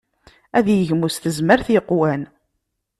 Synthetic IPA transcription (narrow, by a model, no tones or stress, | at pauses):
æðjəʝmusθəzməɾθjəqːwæn